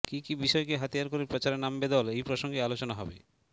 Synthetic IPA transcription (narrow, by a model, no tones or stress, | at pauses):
kikibiʃɔekeɦat̪ijaɾkoɾeɾpɾot͡ɕaɾenambed̪ɔlejpɾoʃoŋɡealot͡ɕonaɦɔbe